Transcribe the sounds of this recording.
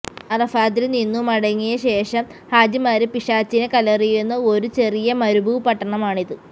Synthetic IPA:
ɐðɐfaːd̪ilninːumɐɽɐŋːijɐɕe̞ːʂɐmhaːd͡ʑimaːɾɨpiʂaːt͡ɕːinekɐlɐrijunːɐo̞ɾut͡ɕe̞rijɐmɐɾubʱuʋpɐʈːɐɳɐmaːɳiðɨ

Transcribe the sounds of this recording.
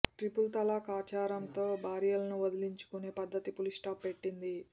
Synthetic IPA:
ʈɾipult̪ɐlaːkaːt͡ʃaːɾɐmt̪o̞ːbʱaːɾijɐlɐnuʋɐd̪iliɲt͡ʃu̥kune̞ːpɐd̪ːɐt̪ipulisʈaːpːe̞ʈːind̪i

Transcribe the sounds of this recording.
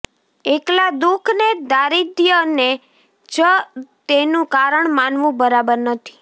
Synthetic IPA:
eklad̪ukʰned̪aɾid̪jəne | d͡ʒət̪enũkaɾəɳmanʋũbəɾabəɾnət̪ʰi̥

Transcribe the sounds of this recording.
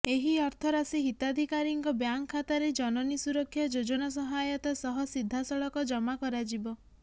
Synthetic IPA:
eɦiɔɾt̪ʰɔɾasiɦit̪ad̪ʱikaɾiŋkɔbjaŋkʰːat̪aɾed͡ʒɔnɔnisuɾɔkʰːjɔd͡ʒod͡ʒɔnas̬ɔɦajɔt̪asɔɦɔsid̪ʱːasɔɭɔkɔd͡ʒɔmakɔɾad͡ʒibɔ

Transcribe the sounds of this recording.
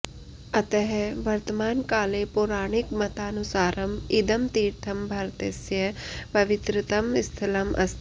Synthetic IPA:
ɐt̪ɐɦɛʋɐɾt̪əmaːnkaːlepʊɾaːɽ̃ɪkmɐt̪aːnusaːɾɐmɪd̪ɐmt̪iːɾt̪ʰɐmbʱɐɾt̪esjɐpɐʋɪt̪ɾɪt̪ɐmɪst̪ʰɪlɐmʔɐ̰st̪ʰ

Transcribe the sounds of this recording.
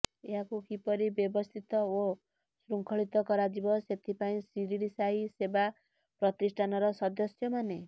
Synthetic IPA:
eɦakukipɔɾibjɔbɔst̪ʰit̪ɔo | sɾuŋkʰɔɭit̪ɔkɔɾad͡ʒibɔset̪ʰipaĩsiɾiɾisaiseba | pɾɔt̪isʈʰanɔɾɔsɔd̪ɔsjɔmane

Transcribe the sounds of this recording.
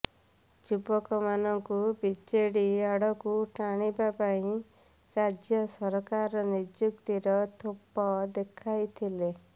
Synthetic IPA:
d͡ʒubɔkɔmanɔŋkubit͡ʃeɽiaɽɔkuʈaɽ̃ibapaĩ | ɾad͡ʒjɔsɔɾɔkaɾɔnid͡ʒjukt̪iɾɔt̪ʰopɔd̪ekʰajt̪ʰile

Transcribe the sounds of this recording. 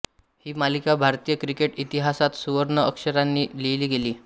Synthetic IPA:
hiːmalikabʱaɾt̪iːjəkɾikeʈit̪iɦasat̪suʋəɾɳəəkʂəɾanːiːleliːɡeliː

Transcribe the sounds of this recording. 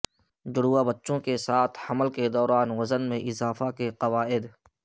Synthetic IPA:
d͡ʒʊɽuːabɐtːʃõkesaːt̪ʰhɐməlked̪ɔːɾaːnʋɐzənmẽʔɪzaːfakeqɐʋaːɪd̪

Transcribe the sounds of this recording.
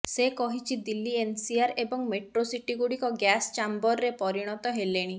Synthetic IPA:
sekɔɦit͡ʃʰid̪ilːiensiaɾebɔŋmeʈɾosiʈiɡuɽikɔɡjast͡ʃambɔɾːepɔɾiɽ̃ɔt̪ɔɦeleɽ̃i

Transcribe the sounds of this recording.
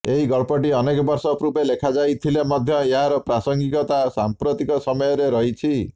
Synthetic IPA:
eɦiɡʌɭpɔʈ̬iʌnekɔbʌrsɔpɾupelekʰad͡zajt̪ʰilemʌd̪ʱjʌjaɾɔprasʌŋɡikɔt̪asampɾot̪ikɔsʌmɔjɔɾeɾʌɦit͡sʰi

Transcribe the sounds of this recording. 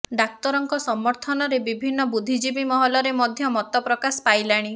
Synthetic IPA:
ɖak̚t̪ɔɾɔŋkɔsɔmɔɾt̪ʰɔnɔɾebibʱinːɔbud̪ʱid͡ʒibimɔɦɔlɔɾemɔd̪ʱjɔmɔt̪ɔpɾɔkasɔ̥pajlaɽ̃i

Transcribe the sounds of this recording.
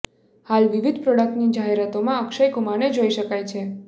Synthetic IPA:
halʋiʋid̪ʱpɾɔɽək̚ʈnid͡ʒaɦeɾat̪omãəkʃəjkumañed͡ʒoiʃəkajt͡ʃʰe

